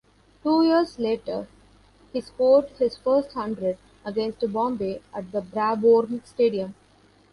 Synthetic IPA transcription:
ʈuːjiəɾsleːʈəɾ | hiːspoːɖhɪzfəɾsʈhʌ̃ɳɖɾeɖ | əɡẽnsʈbɔ̃ːmbeːʔæʈ̚d̪əbɾæboːɾmsʈeːɖiə̃m

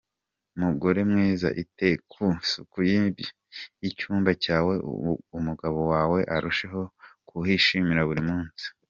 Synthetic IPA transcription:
umuɡo̞ɾe̞mŋiːza̰ʔitekʰusukujimibi | icuːmbacaːwe̞̰umuɡaβo̞waːwe̞ʔaɾuʃe̞ɦo̞kʰuhiʃimiɾaβuɾimuːnsi̥

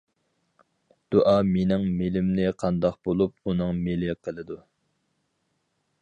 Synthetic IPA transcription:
d̪̥uʔɑːmenɪŋmelɪmnnɪqʰɑnd̪ɑqbolˠup̚unɨŋmelɪqʰəlˠɨd̪u

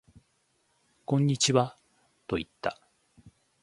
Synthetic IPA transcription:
kõ̞ɲ̟ːit͡ɕiβa | t̪o̞it̪ːa

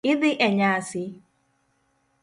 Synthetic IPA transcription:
ɪdɪʔeɲaasɪ

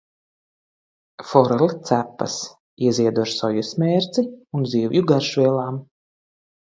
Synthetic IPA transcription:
fɔɾɛlt̪sæpːɐ̰s | iɛziɛd̪uaɾsɔjusmʲɛːɾt̪siunziːwjuɡaɾʃvʲiɛlˠaːm

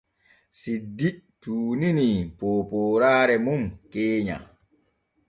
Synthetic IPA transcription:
sidituːninipoːpoːɾaːɾɛmumkeːɲa̰

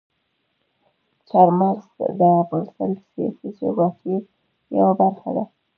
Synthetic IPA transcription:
t͡ʃaɾmazd̪əbəlsə̰lsijɑ̰sizoɡɑt̪ʰi | ja̰wabaɾxa̰d̪a

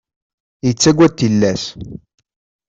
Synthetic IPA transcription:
jət͡sːæɡʷːæt̪ːilːæs

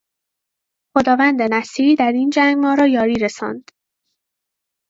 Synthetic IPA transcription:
xod̪ɒːvænd̪e̞næsiːɾiːd̪æɾiːnd͡ʒæŋɡmɒːɾɒːjɒːɾiːɾesɒ̰ːnd̪̥

